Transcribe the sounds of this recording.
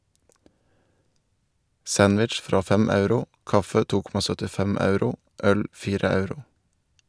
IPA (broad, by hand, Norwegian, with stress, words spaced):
ˈsɑnʋɪtʃ ˈfɾɑː ˈfɛm ˈɑʉɾʊ ˈkɑfə ˈtuː ˈkɔmɑ sœtɪˈfɛm ˈɑʉɾʊ ˈʔœl ˈfiːɾə ˈɑʉɾʊ